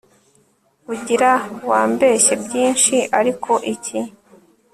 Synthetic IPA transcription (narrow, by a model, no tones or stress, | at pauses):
βuɟiɾawaːmbe̞çebjiːnʃiʔaɾikʰo̞ʔicʰi